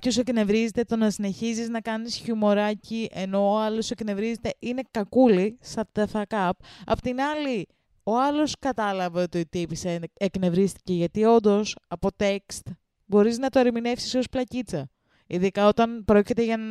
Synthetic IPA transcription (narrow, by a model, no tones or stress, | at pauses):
ose̞kne̞vɾizet̪e̞t̪o̞nɐsine̞çiziznɐkɐnisçumo̞ɾɐciʔe̞no̞ːɐlo̞se̞kne̞vɾize̞t̪e̞ʔine̞kɐkulisɐt̪eθɐkɐp̚ɐ̰pot̪inɐli | o̞ɐlo̞skɐt̪ɐlɐveo̞t̪iot̪ipisenekne̞vɾist̪i̥ce̞ʝɐt̪io̞nd̪o̞sɐpo̞t̪e̞kst̪ | bo̞ɾiznɐt̪oɐɾimine̞fsiso̞splɐcit͡sɐ | iðikɐo̞t̪ɐnpɾo̞cit̪e̞ʝɐ